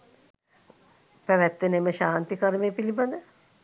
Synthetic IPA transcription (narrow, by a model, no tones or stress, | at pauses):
pæʋɛt̪ːəneməʃaːnt̪ikaɾmeːpiliband̪ə